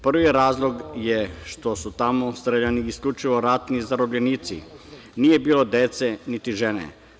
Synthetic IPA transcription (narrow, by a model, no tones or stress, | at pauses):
pr̩ʋijɾaːzlˠo̞ɡjeʃt̪o̞sut̪amo̞st̪ɾeʎaniːskʎʲut͡ʃiʋo̞ɾat̪nizaɾobʎeniːt̪sḭ | niːje̞biːlˠo̞d̪et̪senit̪iʒenḛ